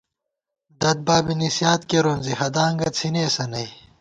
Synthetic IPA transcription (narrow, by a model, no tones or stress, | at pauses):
d̪ɐd̪̚baːbinisjaːt̪keɾoːnzihɐd̪aːŋɡɐt͡sʰineːsɐnɐj